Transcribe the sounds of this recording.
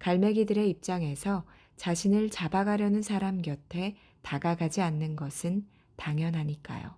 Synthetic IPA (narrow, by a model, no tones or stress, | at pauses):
kaɭme̞ɡidɯɾe̞ip̚t͡ɕ͈aŋe̞sʰʌ | t͡ɕaɕʰinɯɭt͡ɕabaɡaɾjʌnɯnsʰaɾamɡjʌtʰe̞ | taɡaɡad͡ʑianːɯnɡʌsʰɯn | taŋjʌnɦaɲik͈a̰jo̰